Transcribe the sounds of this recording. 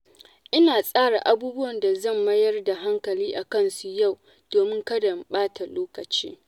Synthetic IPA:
ʔɪ˦naː˨sʼaː˦ɽa˨ʔa˨buː˦bʊ˦wɐ˨nda˨zɐ˦˨mːɐ˦jɐ˦rda˨ɦa˦ŋkɐ˨liː˦ʔa˨kɐ˦˨nsu˨ja˦˨w | d̥oː˨mɪ˦ŋkɐ˦dɐ˨mɓaː˦tʰa˨loː˦kɐ˨t͡ʃḭː˦

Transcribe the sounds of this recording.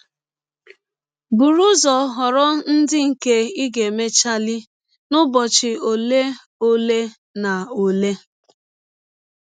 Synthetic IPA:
bu˨ɾu˦zɔ˨ɦɔ˨ɾɔ˦n̩˦dɪ˦ŋ̩˨ke˦i˦ɡe˨me˦t͡ʃa˦lɪ˦ | nʊ˦bɔ˨t͡ʃɪ˨o˨le˦ | o˦le˦ | na˨o˨le˦

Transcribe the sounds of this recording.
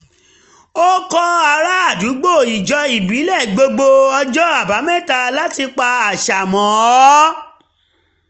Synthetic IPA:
o˦kɔ˦˧a˧ɾa˦a˦˨du˨˦ɡ͡bo˦˨i˨d͡ʒɔ˧i˨bi˨˦lɛ˦˨ɡ͡bo˧ɡ͡bo˧ɔ˧d͡ʒɔ˦a˦˨ba˨˦mɛ̃˦˨ta˧la˦ti˧k͡pa˧a˨ʃa˨mɔ̃˨ɔ˨˦

